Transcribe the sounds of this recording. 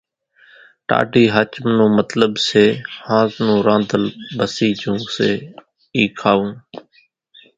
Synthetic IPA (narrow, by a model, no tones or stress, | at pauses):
ʈa̰ːʈiːɦaːt͡ʃəmnũːmət̪ləbseːhãːznũːɾãːnd̪ʱəlbəsiːd͡ʒũːseː | iːkʰaːũː